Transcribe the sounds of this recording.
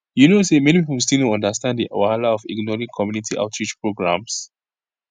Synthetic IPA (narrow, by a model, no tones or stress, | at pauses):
junosemɛ̃nipip̩s̬tinoɔ̃ndəstãnddiʔawaalaɔfḭɡnɔɹĩŋkʰɔmjunitʰiʔa̰ʊtɹid͡ʒpɹoɡɹã̰ms